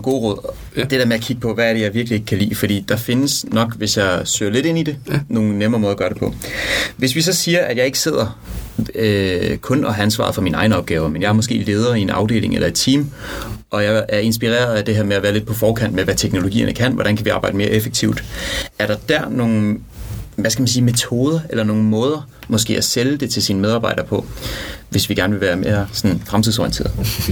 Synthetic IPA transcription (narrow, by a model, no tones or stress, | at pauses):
ɡ̥o̝̰ːʁɔð̞̰ˠ | d̥e̝d̥eɐmeæɐkʰiɡ̥̚pʰɒ̽ʋææɐɾejɑ̈ɪʋiɐɡ̥lie̝ɡ̥ə̥kʰælḭːfɒd̥ḭːd̥ɑ̈fe̝nəsnɒ̽ɡ̥ʋe̝sjɑ̈ɪsø̰ːɐle̝d̥e̝n̰id̥e̝no̝ːn̩nemɐʁɐmɔːðˠɐɡɶɐɾ̥epʰɒ̽ʋe̝sʋisɒ̽siːɐʔæd̥jɑ̈ɪe̝ɡ̥ə̥se̝ð̞̰ˠɐ | kʰɔ̽nɒænsʋɑ̰̈ð̩ˠfɒ̽minɑ̈ɪn̩ɒb̥ɡ̥ɛːʊɐmenjɑ̈æɐmɔsɡ̥e̝̰ːle̝ːð̞ˠɐːie̝nɑ̈ʊde̝̰ːle̝ŋelʔɐed̥t͡sʰḭːmʔɒ̽jɑ̈ɪæɐe̝nsb̥iʁɛ̰ːɐðˠæd̥e̝ɦeɐ̰meæʋæːɐle̝d̥̚pʰɒ̽fɒːkʰæn̰d̥meʋæt͡sʰeɡ̥no̝lo̝ɡḭːɐ̰nʔəkʰæn̰ʋɒd̥ænkʰæʋiɑ̈ːb̥ɑ̈ɪd̥əme̝ːɐʔefeɡ̥̚t͡sʰiʊ̰d̥æɐɾ̥ɑ̈d̥æɐno̝ːn̩ | ʋæskæmæns̬iːme̝t͡sʰo̝ːð̞ˠɐʔelɐno̝ːn̩mɔ̽ːð̞ˠɐ | mɒ̽sɡ̥e̝̰ːʔæseləd̥e̝t͡sʰe̝lsinmeðˠɑ̈ːb̥ɑ̈ɪ̰d̥ɐpʰɒ̽ʋe̝sʋiɡ̥æɐnəʋe̝ʋæːɐmeːɐsɒ̽nfʁɑmt͡sʰiðˠsɒ̰ḭnt͡sʰe̝̰ːɐð̩ˠ